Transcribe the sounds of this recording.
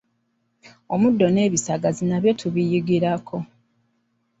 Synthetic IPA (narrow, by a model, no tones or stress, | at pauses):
omudːo̞ne̞ːβisaɡazinaβje̞tʰuβijiɡiɾakʰo̞